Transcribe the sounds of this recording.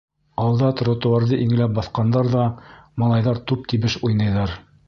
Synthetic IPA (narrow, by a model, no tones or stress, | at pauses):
ɑlˠd̪ɑt̪ɾŏt̪ŭwɑɾðɤʔiŋɘ̆læp̚bɑθqɑnd̪ɑɾðɑmɑlˠɑjðɑɾt̪up̚t̪iβɘʃujnɑ̆jðɑɾ